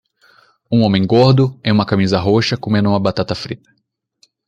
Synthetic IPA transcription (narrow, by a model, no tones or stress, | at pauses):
ũõmẽj̃ɡoɾd̪ʊẽjũmɐkamizɐɦoʃɐkomẽnd̪ʊumɐbat̪at̪ɐfɾit̪ɐ̥